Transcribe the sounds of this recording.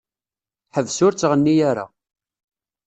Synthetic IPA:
ħəvsʊɾt͡sːʁənːijaɾa̰

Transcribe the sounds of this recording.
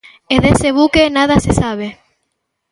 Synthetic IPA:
eðeseβukenað̞asesaβ̞e

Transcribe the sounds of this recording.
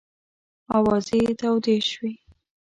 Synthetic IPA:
ɑwɑzet̪awd̪eʃwi

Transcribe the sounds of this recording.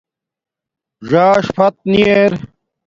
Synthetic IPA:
ʐaːʂfɐt̪̚nieɾ

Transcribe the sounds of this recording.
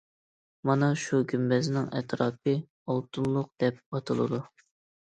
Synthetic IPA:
mɑnɑʃuɡʲymbɛznɪŋʔɛ̰t̪ɾɑːp̚ɨ | olˠt̪ʰunlˠʊq̚d̪̥ɛp̚ɑt̪ʰɨlˠɨ̰d̪u

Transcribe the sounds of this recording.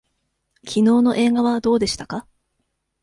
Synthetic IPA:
kʲʰino̞ːno̞ʔe̞ːɡaβad̪o̞ːd̪e̞ɕi̥t̪aka

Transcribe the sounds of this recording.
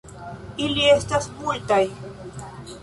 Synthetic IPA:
ɪliest̪asmʊlt̪aj

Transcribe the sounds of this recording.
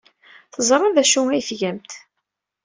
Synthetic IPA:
θəzˤɾˤɑðæʃuæjθʝæmt̪

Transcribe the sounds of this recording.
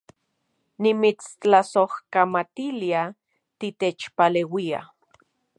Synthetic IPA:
nimit͡st͡ɬasohkamat̪ilia | t̪it̪et͡ʃpalewia̰

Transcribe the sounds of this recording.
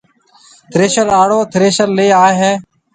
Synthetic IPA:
t̪ʰɾeːʃəɾaːɽoːt̪ʰɾeːʃəɾleːaːɦeː

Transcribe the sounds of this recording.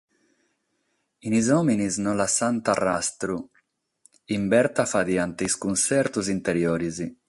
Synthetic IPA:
inizɔminiznɔlasant̪arast̪ɾu | imbɛɾt̪afad̪iant̪eiskunsɛɾt̪uzint̪eɾjɔːɾizi

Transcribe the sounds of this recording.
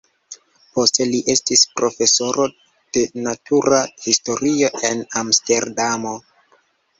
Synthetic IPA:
po̞ste̞liʔe̞stispɾo̞fe̞so̞ɾo̞ | d̥e̞natʰuɾahisto̞ɾio̞ʔe̞namste̞ɾdamo̞

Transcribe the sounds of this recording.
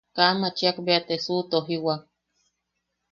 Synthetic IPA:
kamat͡ʃiakbeat̪esut̪oɦiwa

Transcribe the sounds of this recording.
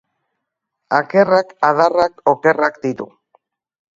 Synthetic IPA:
ake̞rakaðarakoke̞rakd̪it̪ṵ

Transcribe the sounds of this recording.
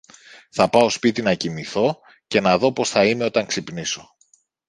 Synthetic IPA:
θɐpɐo̞spit̪inɐcimiθo̞ | ce̞nɐðo̞po̞sθɐime̞o̞t̪ɐŋksipniso̞

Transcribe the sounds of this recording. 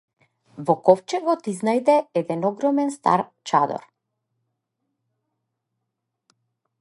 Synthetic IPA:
vɔkɔft͡ʃɛɡɔt̪iznajd̪ɛɛd̪ɛnɔɡɾɔmɛnst̪a̰ɾt͡ʃa̰d̪ɔ̰ɾ

